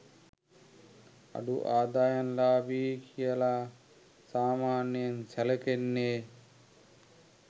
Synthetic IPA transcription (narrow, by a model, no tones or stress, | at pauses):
ɐ̰ɖuʔaːd̪aːjɐnlaːbiːkijɐla | saːmaːnjɐnt͡ʃɐlɐkenːeː